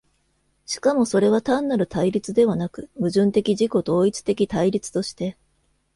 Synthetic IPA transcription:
ɕi̥kamo̞so̞ɾe̞β̞at̪ãnːaɾɯ̟t̪aiɾʲit͡sɨd̪e̞β̞anakɯ̟mɯ̟ʑɨ̃nt̪e̞kʲiʑiko̞t̪o̞ːit͡sɨ̥t̪e̞kʲit̪aiɾʲit͡sɨ̥t̪o̞ɕi̥t̪e̞

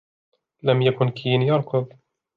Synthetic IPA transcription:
lamjakʊnkʰiːnjɑɾˤqɨb

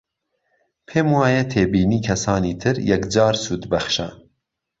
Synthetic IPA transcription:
pʰeːmwɑːjɛt̪ʰeːbiːniːkʰɛsɑːniːt̪ʰɨɾjɛkd͡ʒɑːɾsuːd̪bɛxʃɛ̰

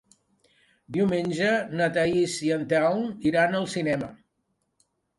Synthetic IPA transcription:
d̪iwmenʲʒənət̪aisiənt̪awniɾanəlˠsinɛmə

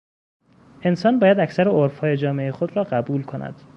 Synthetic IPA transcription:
e̞nsɒːnbɒːjæd̪æcsæɾeoɾfhɒːje̞d͡ʒɒːmeʔexod̪rɒːɢæbuːlkʰonʔæ̰d̪̥

